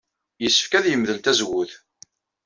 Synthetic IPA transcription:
jəsːə̥fkæðjəmðəlt̪æzwʊθ

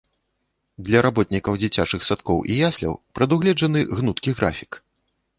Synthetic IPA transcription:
d̪lʲɐɾabɔt̪ʲnʲikɐwd͡zʲit͡sʲat͡ʂɨxsat̪kɔwʔḭjasʲlʲɐ̰wpɾɐd̪uɣlʲɛd͡ʐɐnɨɣnut̪kʲiɣɾafʲi̥k

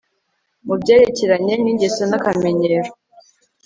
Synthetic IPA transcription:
mubɟeːɾeceɾaɲeniːɲɟesenakameɲeɾo

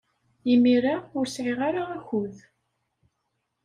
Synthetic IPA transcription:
jimiɾaʊɾsʕiʁaɾaːçʊð

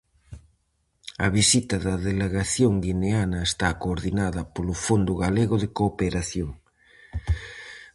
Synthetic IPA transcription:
ɐβisit̪ɐðɐðeleɣaθjoŋɡineanɐest̪akoːɾðinaðɐpolofond̪ʊɣaleɣoðekoːpeɾaθjoŋ

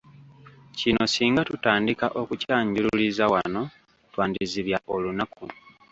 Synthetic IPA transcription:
cino̞siːŋɡatutaːndikaʔo̞kucaːɲɟululizawano̞ | twaːndiziβjaʔo̞lunaku

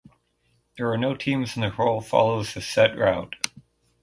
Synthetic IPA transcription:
ðə˞ːnoʊtʰĩmzn̩ðɨhoʊlˠfɑ̰lˠoʊzðɨsɛt̚ɹaʊd̥

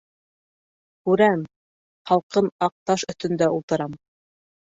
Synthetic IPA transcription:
kʉɾæm | χɑlˠqɤnɑq̚t̪ɑʃɵ̆t̪ɵ̆nd̪æulˠt̪ɤ̆ɾɑm

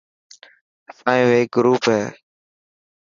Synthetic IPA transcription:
faːɪ̃ʋeːɡɾuːpɦɛː

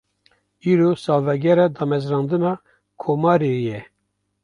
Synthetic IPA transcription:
iːɾosɑːlvɛɡɛɾɑd̪ɑːmɛzɾɑːnd̪ɨnɑː | kʰoːmɑːɾejɛ

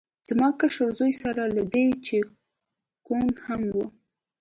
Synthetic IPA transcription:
z̥mɑkaʂaɾzojsaɾalad̪et͡ʃe | konhamwu

